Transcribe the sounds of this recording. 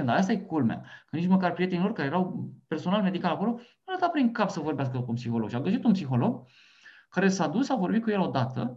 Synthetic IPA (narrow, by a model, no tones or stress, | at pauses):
nd̪aast̪ajekulma̰kənit͡ʃməkarpɾie̞t̪e̞nilo̞rkaɾejeɾawpe̞rso̞nalme̞d̪ikalako̞lo̞ | lət̪apɾiŋkapsəvo̞rbeas̬kəkunpsixo̞lo̞ɡʃiaɡəʃ̬it̪unpsixo̞lo̞ɡ̚ | kaɾe̞sad̪usːavo̞rbit̪̚kujelo̞d̪at̪ə̰